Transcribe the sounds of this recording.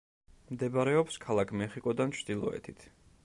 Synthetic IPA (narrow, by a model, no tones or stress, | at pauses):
md̪ɛbaɾɛɔpskʰalˠakʰmɛχikʼɔd̪ant͡ʃʰd̪ilˠɔɛ̰t̪ʰit̪ʰ